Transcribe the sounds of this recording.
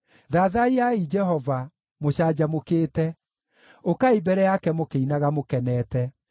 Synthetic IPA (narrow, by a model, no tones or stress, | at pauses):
ðaːðaiaid͡ʒɛɦɔva | moɕaːd͡ʑamokeːtɛ | okaibɛɾɛjakɛmokeinaɣamokɛnɛːtɛ